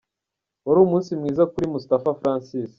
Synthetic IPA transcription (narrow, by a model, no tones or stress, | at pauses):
uɾuːmuːnsimŋiːzakuɾimustafafɾaːnsis